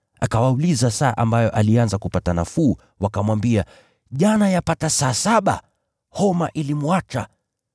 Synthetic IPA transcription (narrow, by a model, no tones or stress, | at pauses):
ʔa̰kawaulizasaːʔambajɔʔalianzakupatanafuː | wakamwambia | ʄanajapatasaːsaɓa̰ | hɔma̰ʔilimwat͡ʃa̰